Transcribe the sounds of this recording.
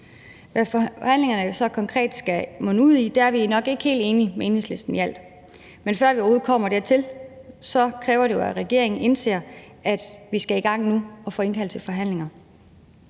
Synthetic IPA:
ʋæfhæn̰le̝ŋɐnəjo̝sɒ̽kʰɒ̽ŋkʰʁɛ̰ːd̥sɡ̥æmɔnəuð̰ˠid̥eæɐʋiænɒ̽ɡ̥e̝ɡ̥ə̥he̝̰ːlde̝ːnimee̝nhesle̝sd̥n̩jæl̰d̥ | menfɶɐ̰ʋiɒho̝ð̩ˠkʰɒ̽m̰ɐd̥eɐt͡sʰe̝lsɒ̽kʰʁɛːʊɐɾe̝jo̝æʁɛɡ̥e̝ɐeŋn̩ʔe̝nse̝̰ːɐ̰ | ʔæd̥ʋisɡ̥æiɡ̥ɑ̈ŋ̰nuɒ̽fɒ̽ːe̝nkʰæl̰t͡sʰe̝lfɒ̽ɦæn̰le̝ŋɐ

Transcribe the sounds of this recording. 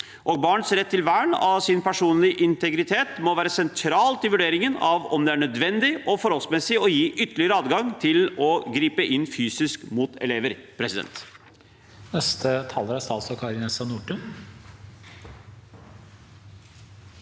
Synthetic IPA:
ʔɔːɡ̚bɑːɳət̪sɾɛt̪ːɪlʋæːɳɑsɪnpʰæʂuːnlɪʔɪnt̪ɛɡɾɪt̪ʰeːt̪mɔʋæːɾəsɛnt̪ʰɾɑːlt̪ɪlʋʉɖeːɾɪŋənɑʋɔmd̪ɛæɳœd̪ʋɛnd̪ɪʔɔfɔɾhɔlsmɛsɪɔjiːʔʏt̪ːəɭɪəɾəɑːd̪ɡɑŋt̪ʰɪlɔɡɾiːpəʔɪnːfyːsɪskmuːt̪ɛ̰leːʋəɾpʰɾɛsɪd̪ɛ̰nt̪ | nɛst̪ʰət̪ʰɑlɾæst̪ɑlsɔkʰɑɾɪnɛsɑnuːʈʉn

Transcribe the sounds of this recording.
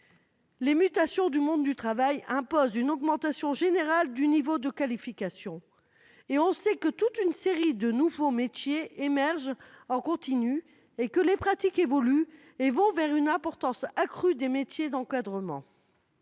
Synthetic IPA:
lemyt̪asjɔ̃d̪ymɔ̃d̪ːyt̪χavajɛ̃pozynɔɡmɑ̃t̪asjɔ̃ʒeneʁald̪ynivod̪əkalifikasjɔ̃ | eɔ̃sɛkət̪ut̪ynseʁid̪ənuvomet̪jeemɛʁʒɑ̃kɔ̃t̪iny | ekəlepχat̪ikevɔly | evɔ̃vɛʁynɛ̃pɔʁt̪ɑ̃sakχyd̪emet̪jed̪ɑ̃kad̪ʁəmɑ̰̃

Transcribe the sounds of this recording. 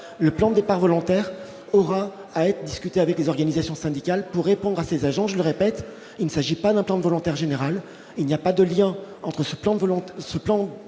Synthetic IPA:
ləplɑ̃d̪əd̪epaʁvɔlɔ̃t̪ɛʁ | ɔʁaː | ɛt̪χəd̪iskʲyt̪eavɛklezɔʁɡanizasjɔ̃sɛ̃d̪ikʲalpuʁːepɔ̃d̪ʁasezaʒɑ̃ʒələʁepɛt̪ | ilnəsaʒipad̪ɛ̃plɑ̃d̪vɔlɔ̃t̪ɛʁʒeneʁal | ilnijapad̪əljɛ̃ | ɑ̃t̪χəsəplɑ̃vsəplɑ̃

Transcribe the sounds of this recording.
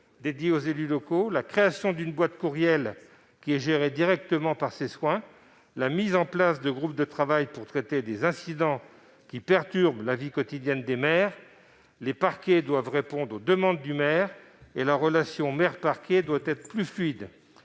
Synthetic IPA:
d̪ed̪jeozelylɔkolakχeasjɔ̃d̪ynbwat̪kuʁjɛl | kʲiɛʒeʁed̪iʁɛk̚t̪əmɑ̃paʁseswɛ̃ | lamizɑ̃plasd̪əɡʁup̚d̪ət̪χavajpuʁt̪χet̪ed̪ezɛ̃sid̪ɑ̃ | kʲipɛʁt̪yʁblavikɔt̪id̪jɛnd̪emɛːʁ | lepaʁkʲed̪wavʁepɔ̃d̪ʁod̪əmɑ̃d̪ːymɛːʁ | elaʁəlasjɔ̃mɛʁpaʁkʲed̪wat̪ɛt̪χplyflɥid̪

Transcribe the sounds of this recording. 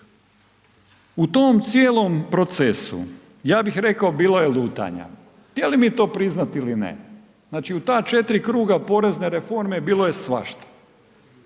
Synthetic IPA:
ut̪omt̪sjeːlo̞mpɾo̞t̪sesṵ | jaːbixɾe̞kaobiːlˠoje̞luːt̪a̰ɲa̰ | xt̪jelimit̪o̞ːpɾiznat̪ilinḛ | znaːt͡ʃiut̪aːt͡ʃe̞t̪ɾikɾuːɡapo̞ɾe̞zne̞ɾefo̞ɾme̞biːlˠo̞je̞sʋa̰ʃt̪ḁ

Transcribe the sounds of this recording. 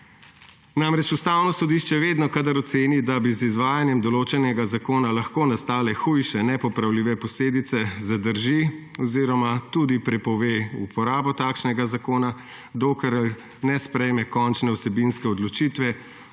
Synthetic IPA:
namɾɛt͡ʃust̪aːwnɔsɔd̪iʃt͡ʃɛʋeːd̪nɔkad̪aɾɔt̪seːnid̪abizizʋaːjanjɛmd̪ɔloːt͡ʃɛnɛɡazakoːnalaxkoːnast̪aːlɛxujʃɛnɛpɔpɾawliːʋɛpɔsleːd̪it̪sɛzad̪əɾʒiɔziːɾɔmat̪uːd̪ipɾɛpɔʋeupɔɾaːbɔt̪aːkʃnɛɡazakoːna | d̪oːkɛɾ | nɛspɾɛjmɛkɔnt͡ʃnɛwsɛbinskɛɔd̪lɔt͡ʃiːt̪ʋɛ

